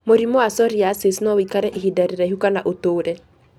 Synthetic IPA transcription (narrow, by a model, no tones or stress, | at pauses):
moɾimɔasɔɾiasesnɔwikaɾɛʔeɦidaɾeɾaiɦukanaʔotoːɾɛ